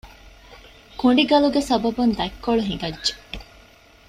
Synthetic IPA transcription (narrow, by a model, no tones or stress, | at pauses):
kuɳɖiɡɐluɡesɐbɐbund̪ɐkːoɭuɦiŋɡɐdʒe̥